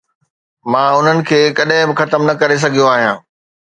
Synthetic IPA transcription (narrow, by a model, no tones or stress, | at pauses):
mãːʊn̤ənɪ̆kʰeːkɐɗɦɪ̃bɪxɐt̪əmnɐkɐɾes̬ɐɡʱijoaːɦijãː